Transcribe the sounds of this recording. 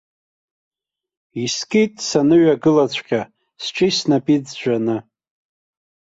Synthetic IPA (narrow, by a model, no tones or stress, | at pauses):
iskʼitʼsanɨɥaɡɨlat͡ɕʷʰqʲʼa | sʈ͡ʂʷʼisnapʼid͡zd͡ʒʷanɨ